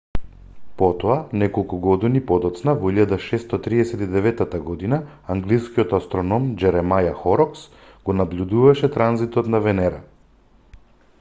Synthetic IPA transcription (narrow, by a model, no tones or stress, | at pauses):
pɔt̪ɔanɛkɔlˠkuɡɔd̪inipɔd̪ɔt̪snavɔiʎad̪aʃɛst̪ɔt̪ɾiɛsɛt̪id̪ɛvɛt̪ːat̪aɡɔd̪inaaŋɡliskiɔt̪ast̪ɾɔnɔmd͡ʒɛɾɛmajaxɔɾɔks | ɡ̥ɔnablʎʲud̪uvaʃɛt̪ɾanzit̪ɔt̪navɛnɛɾa̰